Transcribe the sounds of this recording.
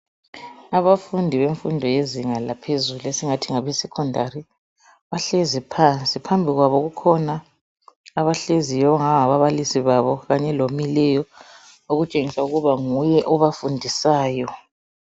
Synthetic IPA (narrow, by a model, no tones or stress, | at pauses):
aβafundʱiβeɱfundʱɔjeziŋalapʰezuluesiŋatʰiŋaβɛsɛkʰɔndʱari | βaɬezipʰant͡sʼipʰambʱiɣwaβɔɣukʰɔna | aβaɬezijɔɔŋaŋaβaβalisiβaβɔɣaɲɛlomilɛjɔ | oɣut͡ʃʼeŋisauɣuβaŋujɛʔɔβafundʱisaːjɔ